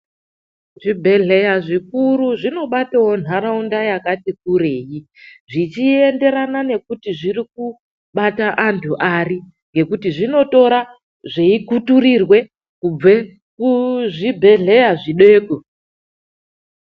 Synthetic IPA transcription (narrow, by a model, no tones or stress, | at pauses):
ʐibʱe̞ɮe̞jaʐikuruʐino̞ɓatawon̤aɾaundajakatik̚ureːji | ʐit͡ʃie̞nde̞ɾanane̞kutiʐiriku | ɓataʔantʰuʔari | ŋɡe̞kutiʐino̞to̞ɾa | ʐeikuturirwe̞ | kue | kuʐibʱe̞ɮe̞jaʐiɗe̞ːko